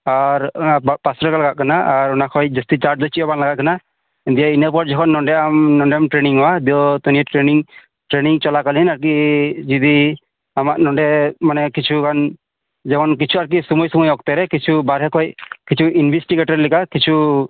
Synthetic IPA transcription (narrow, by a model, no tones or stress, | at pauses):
aɾapasɾɔkalaɡaʔkanaʔaɾunakʰɔjd͡ʒɔst̪it͡ʃaɾʈ̚d͡ʒɔt͡ʃʰiɔbanlaɡaʔkana | d̪ijainaɾpɔd͡ʒɔkʰɔnːɔɳɖɛamnɔɳɖɛmʈɾeniŋɔwad̪iɔt̪ɔniɛʈɾeniŋ | ʈɾeniŋt͡ʃɔlakalinaɾk̬id͡ʒid̪i | amaʔ̚nɔɳɖɛmanɛkit͡ʃʰukan | d͡ʒɛkɔnkit͡ʃʰuaɾk̬isɔmɔjsɔmɔjɔk̚t̪ɛɾɛkit͡ʃʰubaɾɦɛkʰɔjkit͡ʃʰuʔinbʱisʈiɡeʈɔɾlikakit͡ʃʰu